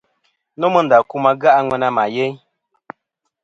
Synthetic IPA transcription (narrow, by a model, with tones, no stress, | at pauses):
no˦mə˦n˨da˨ku˦ma˦ɡa˦ʔa˦ŋwɛ˦na˦ma˨je˦ɲ